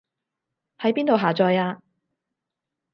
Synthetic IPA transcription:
hɐ˨˥jpiː˥nt̪o˨wɦaː˨t͡sɔː˧jaː˧

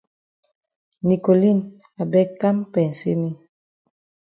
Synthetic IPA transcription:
ni˨ko˨li˦˨n | a˨bɛ˦ka˦mpɛ˨n˨sḛ˦ni˦

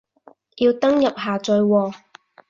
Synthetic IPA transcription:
jiː˧wt̪ɐ˥ŋjɐ˨p̚ɦaː˨˩t͡sɵ˨˧ɥwɔː˧

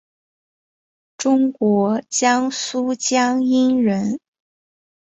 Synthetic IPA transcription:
ʈ͡ʂʊ˥ŋkwɔ˧˥t͡ɕjɑ˥ŋsu˥t͡ɕjɑ˥ŋi˥nɻə˧˥n

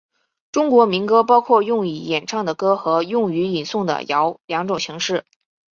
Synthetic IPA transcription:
ʈ͡ʂʊ˥ŋkwɔ˧˥mi˧˥nkɤ˥pɑ˥ʊkʰwɔ˥˧jʊ˥˩ŋi˨˩jɛ˨˩nʈ͡ʂʰɑ˥˩ŋd̪ə˩kɤ˥xɤ˧˥jʊ˥˩ŋy˧˥i˨˩nsʊ˥˩ŋd̪ə̰˨˩jɑ˧˥ʊljɑ˧˥ŋʈ͡ʂʊ˨˩ŋɕʰi˧˥ŋʂɻ̩˥˩

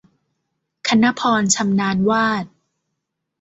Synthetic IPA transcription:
kʰa˧na˦˥pʰɔː˧nt͡ɕʰa˧mnaː˧nwaː˥˩t̪̚

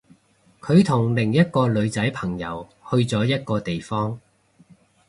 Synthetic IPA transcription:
kʰɵ˨˧ɥt̪ʰʊ˨˩ŋlɪ˨˩ŋjɐ˥t̚kɔː˧lɵ˨˧ɥt͡sɐ˨˥jpʰɐ˨˩ŋjɐ˨˥whɵ˧ɥt͡sɔː˨˥jɐ˥t̚kɔː˧t̪e˨jfɔː˥ŋ

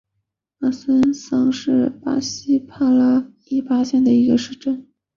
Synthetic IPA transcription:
a˥˩sə˥nsɑ˥ŋʂɻ̩˥˩pa̰˥ɕi˥pʰa˥la˥ | i˥˩pa˥ɕjɛ˥˩nd̪ə˩i˧˥ɡə˧ʂɻ̩˥˩ʈ͡ʂə˥˩n

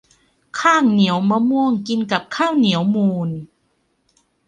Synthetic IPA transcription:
kʰaː˥˩ŋni˩˦əwma˧mu˧əŋki˧nka˨˩p̚kʰaː˥˩wni˩˦əwmuː˧n

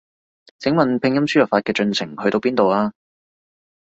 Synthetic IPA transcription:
t͡sʰɪ˨˥ŋmɐ˨npʰɪ˧ŋjɐ˥msyː˥˨˩faː˧t̚kɛː˧t͡ʃɵ˧nt͡sʰɪ˨˩ŋhɵ˧t̪o˧wpiː˥nt̪o˨waː˧

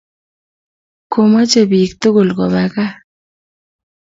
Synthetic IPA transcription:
ko˨ma˦t͡ʃe˨bi˨k̚t̪ʊ˦ɡʊ˨lkɔ˨ba˨ka˦

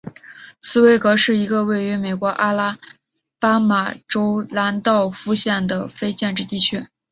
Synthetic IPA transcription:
sɹ̩˥˧we˥˩ɪkɤ˧˥ʂɻ̩˥˩i˧˥ɡə˧we˥˩ɪy˧˥me˨˩ɪkwɔ˧˥ʔa˥la˥ | pa˥ma˨˩ʈ͡ʂo˥ʊla˧˥nt̪ɑ˥˩ʊfu˥ɕjɛ˥˩nd̪ə˩fe˥ɪt͡ɕjɛ˥˧nʈ͡ʂɻ̩˥˧t̪i˥˩t͡ɕʰy˥

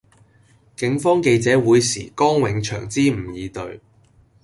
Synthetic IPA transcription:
kɪ˨˥ŋfɔː˥ŋke˧jt͡sɛː˨˥wuː˨˧jsḭː˨˩kɔː˥ŋwɪ˨˧ŋt͡ʃʰœ̰ː˨˩ŋt͡siː˥m̩˨˩jiː˨˧t̪ɵ̰˧ɥ

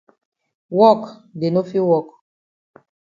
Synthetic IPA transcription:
wɔ˦˨kde˨no˦fi˦wɔ˦˨k

